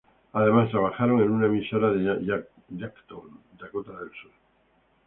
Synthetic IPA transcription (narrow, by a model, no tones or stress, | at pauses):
aðe̞mast̪ɾaβaxaɾo̞ŋe̞nunamiʃaɾaðej | jakt̪ond̪akot̪aðelsuɾ